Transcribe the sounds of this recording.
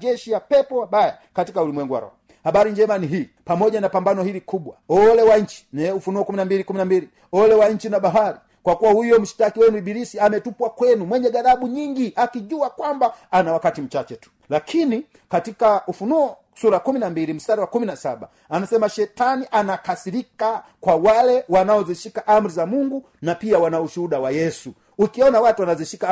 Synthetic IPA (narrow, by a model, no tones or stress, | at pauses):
d͡ʒɛʃijapɛpɔwabaja | katikaulimwɛŋɡuwa̰ɾɔ̰hɔ | habaɾiɲd͡ʒɛmaniɦiːpamɔɟanapambanɔhilikubwaɔlɛwaɲ̩t͡ʃi̥nɛufunuɔkuminambilikuminambili | ɔlɛwaɲ̩t͡ʃinabaɦaɾi | kwakuwahujɔm̩ʃi̥takiwɛnuibiɾisiamɛtupwakwɛnumwɛɲɛɡaɾabuɲiŋɡiʔakiʄuakwambaanawakatim̩t͡ʃat͡ʃɛtu̥ | lakʰini | katikaufunuɔ | suɾakuminambilim̩saɾiwakuminasaɓa̰ | anasɛmaʃɛtaniʔanakasiɾikakwawalɛwanaɔziʃikaʔam̩ɾizamuŋɡu | napiawanauʃuɗawajɛsu | ukiɔnawatuwanaziʃika